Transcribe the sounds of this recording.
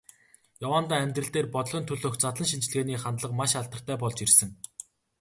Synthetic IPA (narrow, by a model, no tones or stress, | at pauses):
jawaːnt̪aːæmʲt̪rɘ̆ɬt̪eːrpɔt̪̆ɮɞ̆nt̪ʰɵɮoːxt͡sat̪ɮə̆nʃ̬int͡ɕ̆ɮɣeːniːχant̪ɮə̆qmaʃaɮt̪ə̆r̥t̪æːpɔɮt͡ɕirsɘ̆ŋ